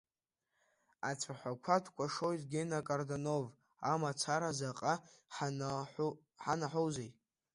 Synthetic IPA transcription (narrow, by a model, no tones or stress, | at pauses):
at͡sʷʰaħʷakʷʰatʰkʷʼaʂo̞jtʼɡʲenakʼardono̞v | amat͡sʰaɾazaqʼa | ħanaħʷowzej